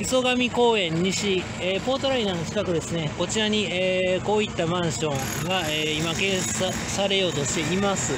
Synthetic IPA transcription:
iso̞ɡamʲiko̞ːẽ̞ɲ̟ːiɕi | eːpo̞ːt̪o̞ɾainanot͡ɕi̥k̪akɯ̟d̪e̞sɨne̞ko̞t͡ɕiɾaɲ̟ieːko̞ːit̪ːamãɰ̃ɕõ̞ŋ | ɡaeːimakẽ̞ːsa | saɾe̞jo̞ːt̪o̞ɕt̪e̞imasɨ

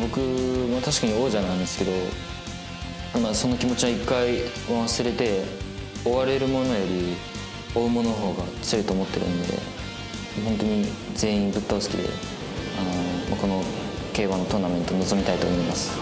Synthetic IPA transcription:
bo̞kɯ̟mat̪aɕi̥kaɲ̟io̞ːʑanãĩnd̪esɨ̥ke̞d̪o̞ | imaso̞no̞kʲimo̞t͡ɕiβaikːai | maβasɨɾe̞t̪e̞ | o̞βaɾe̞ɾɯ̟mo̞nojo̞ɾʲi | o̞ɯ̟mo̞nonoɦo̞ːɡat͡sɨoɯ̟t̪o̞ːmo̞t̪ːe̞̰ɾɯ̟̰̃nd̪e̞̰ | maɦõ̞nt̪o̞ɲ̟ize̞ːĩnbɯ̟t̪ːaosɨ̥kʲid̪e̞̰ | anomako̞no̞ke̞ːβanːot̪o̞name̞nt̪ono̞zo̞mʲit̪ait̪o̞ːmo̞imasɨ̥

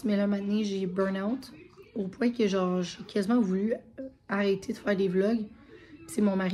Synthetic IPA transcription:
mɛlamaneʒebɜ˞nawt̪opwɛ̃kʲəʒɑ̃ːʁʒekʲʰazimɑ̃vulyaʁɛt̪ʰed̪əfæːʁd̪eblɔɡpi̥semɔ̃maʁ

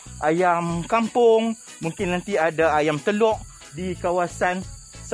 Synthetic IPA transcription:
ʔajamkampʊŋ | muŋkɪnːãnt̪iadaajamt̪əlɔʔ̚ | dikawasan | s

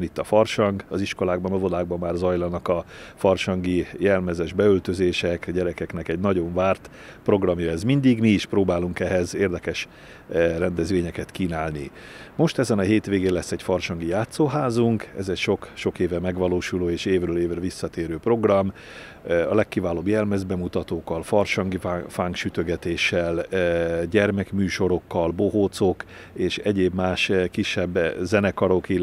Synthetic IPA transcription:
nit̪ːɒfɒrʃɒŋɡɒziʃko̞laːɡ̚bɒnɒvo̞d̪aːɡ̚bɒmːaːrzɒjlɒnɒkɒfɒrʃɒŋɡijɛlmɛzɛʒbɛølt̪ø̞zeːʃɛkɟɛɾɛkɛknɛkɛɟnɒɟo̞ɱvaːrt̪ | pro̞ɡrɒmjɒɛzmind̪iɡmiːʃproːbaːluŋkɛɦɛzeːrd̪ɛkɛʃ | rɛnd̪ɛzʋeːɲɛkɛt̪kiːnaːlni | mo̞ʃt̪ɛzɛnɒɦeːt̪ʋeːɡeːnlɛsːɛɟfɒrʃɒŋɡijaːt̪soːɦaːzuŋkɛ̰zɛcʃo̞kʃo̞keːvɛmɛɡʋɒloːʃuloːeːʃeːvrøːleːvrɛlʋisːɒt̪eːɾøːpro̞ɡrɒm | ɒlɛkːivaːloːbjɛlmɛzd̪bɛmut̪ɒt̪oːkːɒlfɒrʃɒŋɡifaŋkʃyt̪ø̞ɡɛt̪eːʃɛl | ɟɛrmɛkmyːʃo̞ɾo̞kːɒlbo̞ɦoːt̪sok | eːʃɛɟeːbmaːʃkiʃːɛbːzɛnɛkɒɾoki

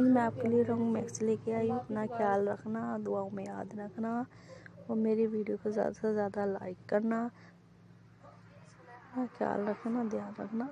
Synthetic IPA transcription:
nmɛ̃aːp̚kelieɾõŋɡmeːkst͡ʃleːkeaːiɐp̪nakʰjaːlɾɐkʰnad̪ʊaːõmẽjaːd̪ɾɐkʰna | ɔːɾmeːɾibʱiːɖijokozja̰ːd̪asazjaːd̪ala̰ːɪkːɐɾna | pnakʰja̰ːlɾɐkʰnad̪jaːnɾɐ̰kʰna

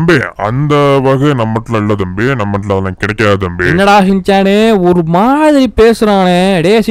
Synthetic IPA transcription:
mbeːɐ̰nd̪ɐʋɐɣɐnɐmːɐʈːɪlɐɪɭːɐðɯɐmbenɐmːɐʈːɪlɐðɐlãːkɪɽɐkːaːðɯɐmbeɪnːɐɽaːɦɪnt͡ʃaːneːɔɾɯmaːðɪɾipeːsɯɾaːnɛ̃ɽeːs

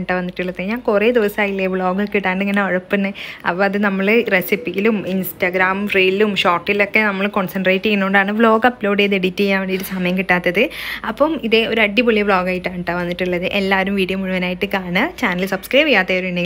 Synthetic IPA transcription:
ɳʈːɐʋɐnːiʈːuɭːɐðeɲaːnkure̞ːd̪iʋɐsaːjilːebɭo̞ːɡɐkːiʈːaːɳɖɨeŋːɐneɐɻupːɐnːɨɐ̰pːoːɐðɨnɐmːɐɭɨresipːiɣiluminsʈɐɡɾaːmfreːlumʂoːrʈːilokːe̞nɐmːɐɭko̞ɳsɐnɖreːʈːijinːuɳɖaːɳɨbɭo̞ːɡɐploːɽeðeɽitʲːijaːʋɐɳɖiɾusɐmɐjɐmkiʈːaːt̪ːɐðɨɐpːɐmiðe̞o̞ɾuɐɖːipoɭːijɐbɭoːɡaːjiʈːaːɳʈːɐʋɐnːiʈːuɭːɐðɨʔelːaːʋɐɾumʋiːɽijɐmːuɻuʋɐnaːjiʈːɨkaːɳɨt͡ɕaːnɐlɨsɐb̥skrɐjʋijːaːt̪ːeoɾuinːe

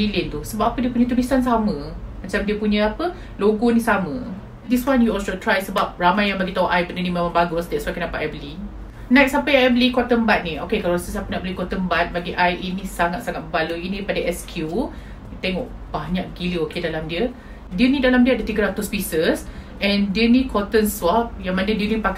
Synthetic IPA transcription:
miliənt̪usəbapapədiəpuɲãt̪ulisansamə̃mat͡ʃamdiəpuɲə̃apə | loɡɔnĩsamə̃ | diswanjuɔlsot̪ɾajsəbap̚ramajãŋbaɡit̪auʔajbənənimemãŋbaɡʊsdɛswakənapaʔɛbəli | nãjt̪̚sapəjãŋɛbəlikɔt̪əmbat̪̚niokekalasəsapənaʔ̚bəlikɔt̪əmbat̪̚baɡiʔajʔinĩsaŋat̪̚saŋat̪̚məbaluinĩpadaʔɛskʰju | t̪eŋɔʔ | b̥aɲak̚ɡiləokedalamdiə | diənidalamdiəaʔ̚dət̪iɡəɾat̪ʊspisəsʔɛ̃ndiənikʰɔt̪ənswap̚jaŋmãnədiənipak

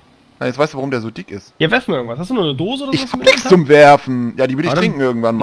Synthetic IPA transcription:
naɪnjɛt͡ssvaɪstduːvaʁʊmdeːɐzoːdɪkɪstjavɛɐftnm̩ɪɡŋ̩tvashastd̥uːnuːɐnədoːzəodɐzɪçhabnɪkst͡sʊmvɛɐfn̩jaːdiːvʏɪɾəɪçtʁɪŋkŋ̩ɪɐɡŋ̩tvanmaː

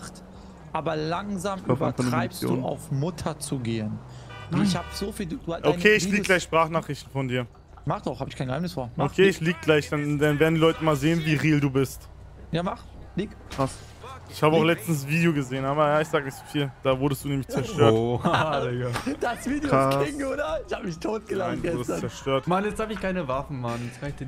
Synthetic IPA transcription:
t | ʔaːbɐlaŋzaːmafbanfɔnəʁɪpsdo̰ṵːa̰ʊfmʊtʰɐt͡suɡeːənɪçhaːbzofiːluduːʔokʰeːɪçliːɡɡlaɪçʃpʁ̥aːχnaːχʁ̥ɪçtn̩fɔndiːɐ | maχtaʊxhaːbɪçkʰaɪnɡəhaɪmnɪsfoːɐokʰeːɪçliːɡəɡlaɪçd̥andanveːɐdndiːlɔʏtəmaːlzeːənviːʁiːlduːbɪst | jaːmaχ | liːɡkʁ̥as | ɪçhaːbəaʊxlɛt͡stn̩sv̥iːdejoɡəzeːənʔaːbɐjaːɪçz̥aːɡənɪçtz̥ofiːld̥aːvʊɐdəstd̥uːnɛːmɪçt͡sɛɐʃtøɐlɡad̥asv̥iːdjjaɪjodaɪçhaːbəmɪçtʰoːt̚ɡ̥əlaaɪnvɡɛəst͡ssɛɐʃtøːɐtmanjɛt͡sd̥aːbɪçkʰaɪnəvafn̩manjɛt͡skaɪçd̥

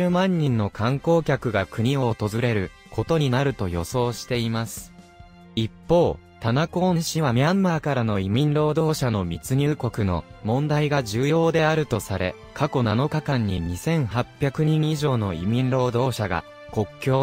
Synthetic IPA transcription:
ɨːmãɲ̟ːĩnːo̞kʰãŋko̞ːkʲakɯ̟ɡakɯ̟ɲ̟io̞ːt̪o̞zɨɾe̞ɾɯ̟ | kʰo̞t̪o̞ɲ̟inaɾɯ̟t̪o̞jo̞̰so̞ːɕi̥t̪e̞imasɨ̥ | ipːo̞ː | t̪anakõ̞ːɕĩβamʲiãmːaːkaɾano̞imʲĩnɾo̞ːd̪o̞ːɕano̞mʲit͡sɨɲ̟ʲɨːko̞kɯ̟no̞̰ | mõ̞nd̪aiɡaʑɨːjo̞ːd̪e̞aɾɯ̟t̪o̞saɾe̞̰ | kʰako̞nano̞kakãɲ̟ːiɲ̟isẽ̞ɰ̃ɦapʲːjakɯ̟ɲ̟ĩɰ̃iʑo̞ːno̞ḭmʲĩnɾo̞ːd̪o̞ːɕaɡa̰ | ko̞kʲːo̞ː

